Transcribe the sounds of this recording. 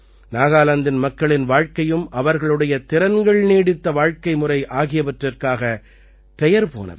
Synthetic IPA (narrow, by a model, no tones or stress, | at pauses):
naːɣaːlɐnd̪ɪnmɐkːɐɭɪnʋaːɻkɐjɯmʔɐʋɐɾɣɐɭɯɽɐjɐt̪ɪɾɐnɡɐɭneːɽɪt̪ːɐʋaːɻkɐɪmʊrɐɪʔaːɣɪjɐpɐʈrɐrkaːɣɐ | pɛjɐɾpo̰ːnɐ̰ð